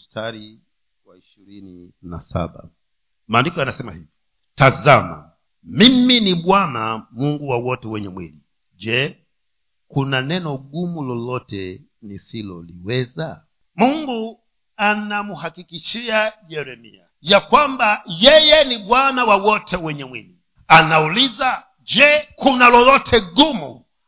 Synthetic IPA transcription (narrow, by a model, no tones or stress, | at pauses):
staɾi | waiʃiɾini | na̰sa̰ɓa̰ | maːndikɔanasɛma̰hivɔ | tazama̰ | miminiɓwanamuŋɡuwawɔtɛwɛɲɛmwḭli | ʄɛ | kunanɛnɔɠumulɔlɔtɛ | nisilɔ̰liwɛza | muŋɡu | anamuhakikiʃiaʄɛɾɛmḭa̰ | jakwambajɛjɛniɓwanawawɔtʰɛwɛɲɛmwili | anauliza | d͡ʒɛkunalɔlɔtʰɛɡumu